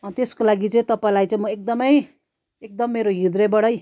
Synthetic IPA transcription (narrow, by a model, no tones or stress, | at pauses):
ʌnt̪eskolaɡit͡sʌĩt̪ʌpaĩlajt͡saĩmʌek̚d̪ʌmʌj | ek̚d̪ʌmːeɾoɦid̪ɾʌbʌɽʌj